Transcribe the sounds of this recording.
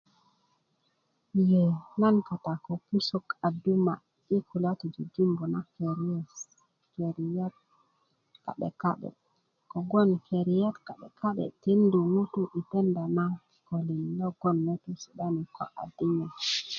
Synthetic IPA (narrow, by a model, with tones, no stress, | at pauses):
jɛnanka˨takɔ˨ku˦sɔ˦ka˨duma̰ | i˦kulatud͡ʒud͡ʒu˦mbɔ˨nakeɾiɛs | keɾija˦t̚ | ka̰˨ɓɛ̰kaɓɛ̰ | kɔ˨ɡɔ˦nkeɾijatka˨ɓɛka˦ɓɛ̰ti˦ndu˨mu˦tuʔi˨tɛ˦nda˨na | ko˨li˨nlɔɡ̥ɔ˦nːo˦tu˦si˨ɗani˨kɔ̰˨ʔa̰˨dːi˦ɲɛ